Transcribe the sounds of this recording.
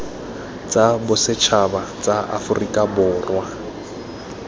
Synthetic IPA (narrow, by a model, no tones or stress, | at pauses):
t͡sʼabʊsɪt͡ʃʰabat͡sʼaʔa̰fʊrikʼabʊːrwa